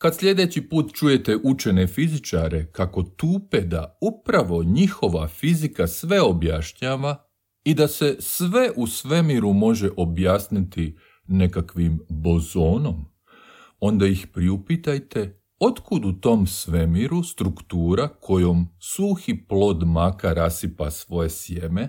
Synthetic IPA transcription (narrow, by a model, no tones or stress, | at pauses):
kad̪slʎʲe̞d̪e̞t͡ɕipuːt̪t͡ʃuje̞t̪e̞ʔut͡ʃe̞ne̞fizit͡ʃaɾe̞kako̞t̪uːped̪a̰upɾaʋo̞ɲixo̞ʋafizikasʋe̞o̞bjaʃɲaːʋa | id̪ase̞sʋe̞ʔusʋe̞miɾumo̞ʒe̞ʔo̞bjaːsnit̪i | ne̞kakʋimbo̞zo̞ːno̞m | o̞nd̪ajixpɾiupit̪ajt̪e̞ | o̞t̪kud̪ut̪o̞ːmsʋe̞miɾust̪ɾukt̪uːɾakʰo̞jo̞msuːxiplo̞ːd̪makaɾasipasʋo̞je̞sje̞me̞